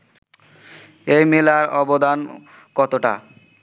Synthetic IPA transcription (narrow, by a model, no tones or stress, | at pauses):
ejmelaɾɔbod̪an | kɔt̪oʈa̰